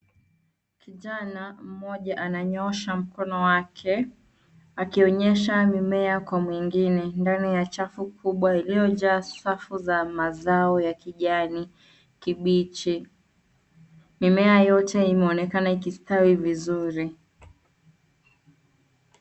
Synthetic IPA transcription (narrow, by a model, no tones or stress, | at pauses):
kʰiʄanam̩mɔʄaʔanaɲɔʃam̩kɔnɔwakʰɛ | akiɔɲɛʃamimɛakwamwiŋɡinɛndanijat͡ʃafukʰuɓwailijɔʄaːsafuzamazaɔjakiʄani | kiɓit͡ʃi | mimɛajɔtɛimɛɔnɛkanaikistawivizuɾi